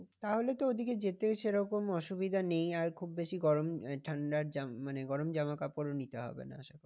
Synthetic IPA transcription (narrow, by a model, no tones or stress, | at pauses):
t̪aɦolet̪ood̪ʱiked͡ʑet̪eʃeɾɔkomɔʃubid̪ʱanejaɾkʰubːeʃiɡɔɾomʈʰaɳɖaɾd͡ʑamaneɡɔɾomd͡ʑamakapoɾonit̪eɦɔ̰bḛna̰a̰ʃakɔ